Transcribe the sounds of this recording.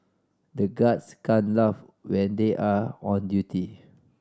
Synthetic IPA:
dəɡatskãnlaf | wɛ̃ndeʔaɔ̃ndjutʰi

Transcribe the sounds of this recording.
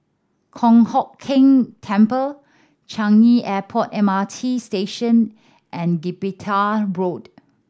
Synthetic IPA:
kʰɔ̃ŋhɔkʰːɪ̃ŋtʰɛ̃mpəl | t͡ʃãŋiʔɛpʰɔtɛ̃matʰisteʃə̃n | ʔɛ̃nɡipitʰaɹod

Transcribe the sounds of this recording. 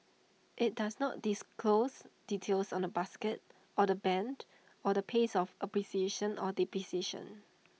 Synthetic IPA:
ʔɪt̚dasnɔt̚d̥iskʰlosditʰelsɔ̃nəbaskət̚ | ʔɔdəbɛ̃nd | ɔdəpʰesɔfəpɹisieʃə̃nʔɔdipɹisieʃə̰̃n

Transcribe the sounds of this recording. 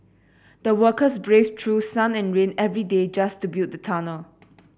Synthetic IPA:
d̥̪əwəkəs̬bɹestʰɹusãnɛ̃nɹẽnɛvɹided͡ʒastubjut̚dətʰanə

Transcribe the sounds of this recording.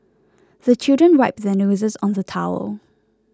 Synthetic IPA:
ðət͡ʃʰɪlˠdɹə̃nɹaɪp̚ðənuːzɪz̃n̩ðətʰaʊə̰lˠ

